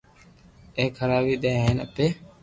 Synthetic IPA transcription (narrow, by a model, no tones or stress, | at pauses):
eːkʰəɾaːbiːɗ̪ẽːɦiːnə̰peː